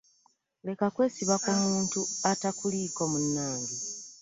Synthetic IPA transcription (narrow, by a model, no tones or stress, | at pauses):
le̞kakwe̞ːsiβakomuːntuatakuliːko̞munːaːndi